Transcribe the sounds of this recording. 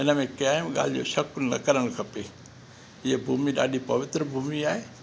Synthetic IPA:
ɪnə̆mẽkaːɪmɠa̰ːl̤ɪd͡ʑo̰ːʃɐkʊnɐ̰kɐɾəɽ̃kʰɐpe | ɪɦəbʱuːmiɗa̰ːɗipɐʋɪt̪ɾəbʱuːmiaːɦeː

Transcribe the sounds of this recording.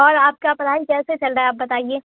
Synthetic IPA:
ɔːɾaːp̚kapɐɾɦaːikɛːset͡ʃɐlɾaːeaːp̚bɐt̪aːieː

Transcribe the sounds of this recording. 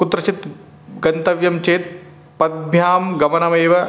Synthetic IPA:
kut̪ːɾɐt͡ʃit̪ | ɡɐnt̪ɐʋjɐmt͡ʃeːt̪̚ | pɐd̪̚bʱjaːmɡɐmɐnɐmeːʋɐ

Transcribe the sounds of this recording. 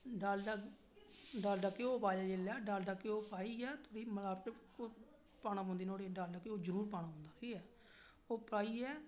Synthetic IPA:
ɖalɖa | ɖaːlɖəkeoːpaːd͡ʒaːd͡ʒeːlaːɖaːlɖaːkːeoːpaːiːɛːt̪ʰoːɽiːməlaːpʈko | paːnãːpõːnd̪iːnoːɽeːɖaːlɖaːkeoːd͡ʒəɾuːɾpaːɽnãːpɔ̃ːnd̪aːɾiːɛː | oːpɾaːiːɛː

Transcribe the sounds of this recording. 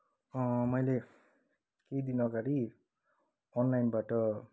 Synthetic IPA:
mɔjle | kejd̪inɔɡaɾi | ɔnlajnbaʈɔ

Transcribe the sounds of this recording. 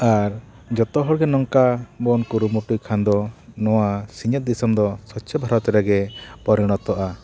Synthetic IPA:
aɾ | d͡ʒɔt̪ɔɦɔɾɡɛnɔŋkabɔnkuɾumuʈujkʰand̪ɔnɔwasiɲɛt̪̚d̪isɔmd̪ɔsɔsʰɛbʱaɾɔt̪ɛɾaɡɛpɔɾiɽ̃ɔt̪ɔʔa

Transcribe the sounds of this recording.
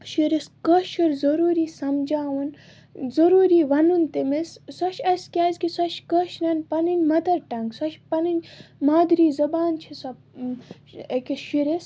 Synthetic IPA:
ʃiɾiskɐʃɐɾzɐɾuːɾiːsɐmd͡ʒaːʋɐn | zɐɾuːɾiːʋɐnunt̪imessɐʃʰɐsʲkʲaːzʲkisɐʃkɐʃnɐnʲpɐninʲmɐt̪ɐɾʈɐŋɡsɐʃpɐninʲmaːd̪ɾiːzɐbaːnt͡ʃʰisɐ | ekʲiʃiɾes

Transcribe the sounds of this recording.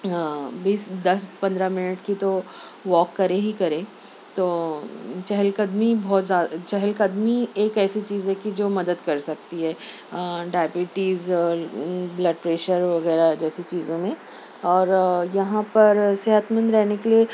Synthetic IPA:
biːsd̪ɐspɐ̃nd̪ɾamɪnɪʈkit̪o | ʋɔːkːɐɾẽɦikɐɾẽː | t̪oːt͡ʃɛɦəlkɐd̪mibɔːt̪zjaːd̪at͡ʃɛɦəlkɐd̪mieːkɛːsit͡ʃiːzɛkid͡ʒoːmɐd̪əd̪kɐɾsɐk̚t̪iɦɛː | ɖaːbjuːʈiːz | blɐɖpɾeːʃəɾʋɐɣɛːɾad͡ʒɛːsit͡ʃiːzõmẽ | ɔːɾjɐɦãpɐɾsɛɦət̪mə̃nd̪ɾɛɦnekelie

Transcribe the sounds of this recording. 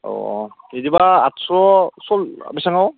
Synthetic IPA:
ɔ̰ | edibaatsɹɔsɔla̰bisaŋaw

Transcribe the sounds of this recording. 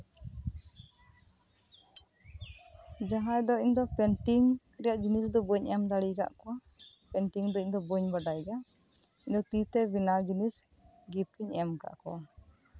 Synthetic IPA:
d͡ʒaɦajd̪ɔiɲd̪ɔpɛɳʈiŋ | ɾɛjaʔd͡ʒinisd̪ɔbɔɲʔɛamd̪aɽiɡa̰ʔkɔwa | pɛɳʈiŋd̪ɔiɲd̪ɔbɔɲbaɖajɡa | iɲd̪ɔt̪it̪ɛbinald͡ʒinis | ɡipiɲɛamka̰ʔkɔ̰a

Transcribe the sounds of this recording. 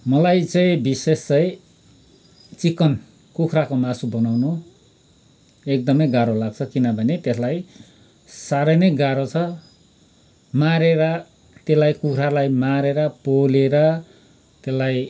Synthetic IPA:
mʌlajt͡sʌ̃ĩbisest͡sʌj̃ | t͡sikʌn | kukʰrakomasubʌnawno | ek̚d̪ʌmʌjɡaɾolaɡ̚t͡sʰʌkinʌbʱʌnet̪eslaj | saɾʌnʌjɡaɾot͡sʰʌ | maɾeɾʌ | t̪eslajkukʰrɾalajmaɾeɾʌpoleɾʌ | t̪eslaj

